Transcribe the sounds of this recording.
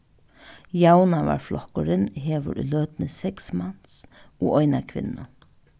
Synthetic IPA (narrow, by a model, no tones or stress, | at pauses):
jawnaʋa̰ɹflʔɔkʊɾɪnɦeːʋə̰ɾʔløːt̪nəsɛksmansoːʔɔjnakʰʋɪ̰nːʊ